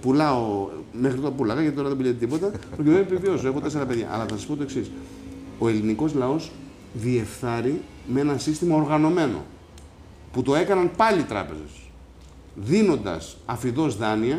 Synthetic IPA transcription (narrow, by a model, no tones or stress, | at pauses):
pulɐome̞xɾit̪oɾɐpulɐɣɐcɐt̪it̪oɾɐðebiʎet̪et̪ipo̞t̪ɐppɾocimenoepiviosoe̞xot̪ese̞ɾɐpeðʝɐ̰ʔɐ̰lɐθɐsɐspo̞t̪o̞e̞ksis | o̞e̞liniko̞zlɐo̞s | ðie̞fθɐɾi | mee̞nɐsist̪imɐoɾɣɐno̞me̞no̞̰ | put̪o̞e̞kɐnɐnpɐliːt̪ɾɐ̰pe̞̰ze̞̰s | ðino̞nd̪ɐ̰sɐfiðo̞zðɐniɐ